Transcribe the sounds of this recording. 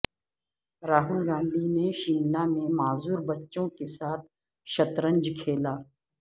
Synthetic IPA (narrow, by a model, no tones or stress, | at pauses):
ɾaːɦʊlɡãːnd̪ʱineʃimnamẽmaːzuːɾbɐtːʃõkesaːt̪̚ʰ | ʃɐt̪ɾə̃ɲd͡ʒkʰeːlaː